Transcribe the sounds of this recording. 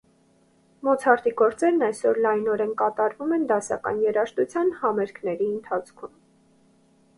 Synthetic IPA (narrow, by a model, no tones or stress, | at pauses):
mɔt͡sʰhɑɾt̪iɡɔɾt͡sɛɾnɑjsɔɾlɑjnɔɾɛnkɑt̪ɑɾvumɛnd̪ɑsɑ̰kɑ̰njɛɾɑʃt̪ut͡sʰjɑnhɑmɛɾkʰnɛɾiənt̪ʰɑt͡sʰkʰum